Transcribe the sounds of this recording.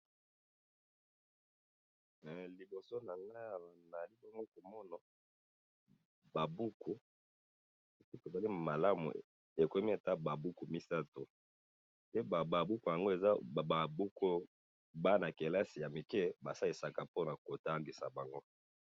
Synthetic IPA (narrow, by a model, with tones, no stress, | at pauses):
li˨bo˨so˦na˨na˦˨na˨li˨bŋɡo˦ko˨mɔ˦na˨ | ba˨bu˦kʰu˨ | si˦ki˦ke˨za˦li˦ma˨la˦mṵ˨ | e˨ko˨e˦mi˦e˨ta˦ba˨bu˦ku˨mi˦sa˦to˨ | pe˦ba˨ba˨bu˦ku˨ja˨ŋɡo˦e˨za˦˨a˨bu˦ko˦ | ba˦na˨ke˨la˦si˨ja˨mi˨kɛ˦ba˨sa˦e˨sa˨ka˨po˦na˨ko˨ta˦ŋɡi˨sa̰˨ba˨ŋɡo˦